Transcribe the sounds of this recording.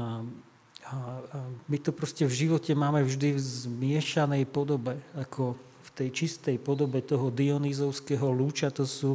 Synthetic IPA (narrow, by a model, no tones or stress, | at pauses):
a | mit̪ɔpɾɔscɛvʒiʋɔcɛmaːmɛvʒd̪ivzmɪɛʃanɛjpɔd̪ɔbɛakʰɔ | ft̪ɛjt͡ʃist̪ɛjpɔd̪ɔbɛt̪ɔɦɔd̪iɔniːzɔʊskɛːɦɔluːt͡ʃat̪ɔsu